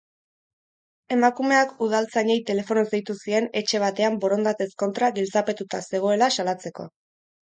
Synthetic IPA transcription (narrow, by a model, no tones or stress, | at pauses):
e̞makume̞akuð̞alt͡saɲejt̪e̞le̞fo̞nozd̪ejt̪usie̞ne̞t͡ʃe̞β̞at̪e̞ambo̞ɾo̞nd̪at̪e̞sko̞nt̪ɾaɡilt͡sape̞t̪ut̪ase̞ɣ̞o̞e̞lasalat͡se̞ko̞̰